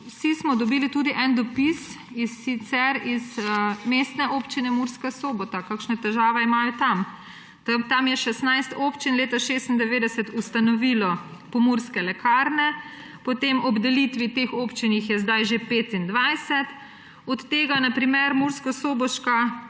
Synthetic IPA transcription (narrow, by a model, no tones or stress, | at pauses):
wsismɔd̪ɔbiːlit̪uːd̪iʔɛnd̪ɔpis | isit̪sɛɾizmest̪nɛʔoːpt͡ʃinɛmuɾskasoːbɔt̪akakʃnɛt̪ɛʒaːʋɛimaːjɔt̪am | t̪t̪amjɛʃɛsnajst̪oːpt͡ʃinleːt̪aʃeːst̪ind̪ɛʋeːd̪ɛsɛt̪ust̪anɔʋilɔ | pɔmuɾskɛlɛkʰaɾnɛ | pɔt̪emʔɔbd̪ɛlit̪ʋit̪exoːpt͡ʃinixjɛzd̪ajʒepeːt̪ind̪ʋajsɛt̪ | ɔt̪ːeːɡanapɾimɛɾmuɾskɔsoːbɔʃka